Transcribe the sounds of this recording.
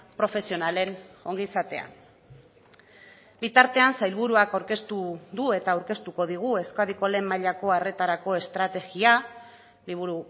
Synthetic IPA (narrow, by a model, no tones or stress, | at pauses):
pɾo̞fe̞sio̞nale̞no̞ŋɡisat̪e̞a̰ | bit̪aɾt̪e̞ansajlβuɾuakawɾke̞st̪uðue̞t̪aːwɾke̞st̪uko̞ðiɣ̞ue̞skaðikole̞mːaʎako̞are̞t̪aɾako̞e̞st̪ɾat̪e̞ɣia | liβ̞uɾu